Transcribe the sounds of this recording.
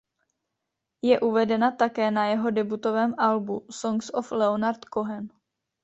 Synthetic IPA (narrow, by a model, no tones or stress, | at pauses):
jɛʔuvɛdɛnat̪akɛːnajɛɦo̞dɛbut̪o̞vɛːmʔalbusoŋksoflɛonaɾt̪koɦɛn